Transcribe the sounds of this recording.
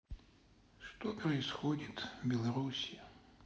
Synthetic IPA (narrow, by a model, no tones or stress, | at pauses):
ʂt̪ɔpɾɐisxɔdʲit̪vbʲɛlˠɐɾusʲi